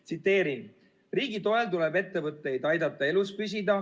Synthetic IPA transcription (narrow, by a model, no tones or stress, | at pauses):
t̪sit̪ːˑe̞ːɾin | riːɡit̪o̞elt̪ulebe̞t̪ːe̞vɤt̪ːˑe̞jd̪ɑjd̪ɑt̪ːˑɑe̞luspys̬ʲid̪ɑ